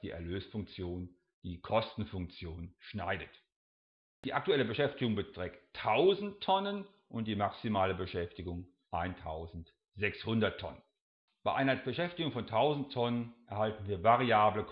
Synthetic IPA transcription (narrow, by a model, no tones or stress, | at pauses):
d̥iːʔɛ̰ɐløːsfʊŋk̚t͡sjoːn | d̥iːkʰɔstn̩fʊŋk̚t͡sjoːnʃna̰ɪdət | d̥iːʔak̚tuɛləbəʃɛftɪɡʊŋbətʁ̥ɛːktʰːaʊzn̩ttʰːɔnən | ʔʊnt̚d̥iːmaksimaːləbəʃɛftɪɡʊŋ | ʔaɪntʰaʊzn̩t | z̥ɛkshʊndɐtʰːɔ̰nən | b̥aɪʔaɪnɐb̥əʃɛftɪɡʊŋfɔntʰaʊzn̩tʰːɔnənʔɛɐhaltn̩viːɐvaʁiaːblək